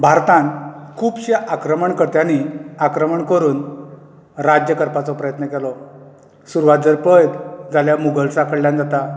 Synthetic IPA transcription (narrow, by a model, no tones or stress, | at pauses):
bʱaɾt̪ãnkʰuːpɕaʔakɾəməɳkəɾt̪janiakɾəməɳkəɾuːn | ɾad͡ʑjəkəɾpat͡sɔpɾəjət̪nəkelɔ | suɾʋad̪̚d͡zəɾpəjd̪d͡zaljamuɡəlsakʰəɽljand͡zat̪a